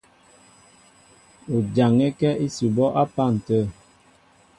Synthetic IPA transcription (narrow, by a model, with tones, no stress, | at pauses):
o˨d͡ʒa˨ŋɛ˦kɛ˦ʔi˦si˨bɔ˦ʔa˦pa˦˨n̩˨tə˦˨